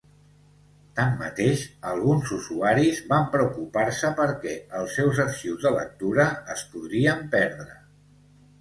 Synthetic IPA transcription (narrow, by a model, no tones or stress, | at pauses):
t̪amːə̰t̪eʃəlˠɣ̞unzuzuaɾizβampɾəukupaɾsəpəɾkɛəlˠsːɛwzəɾʃiwzðələ̰k̚t̪uɾəːspuðɾiəmpɛɾðɾə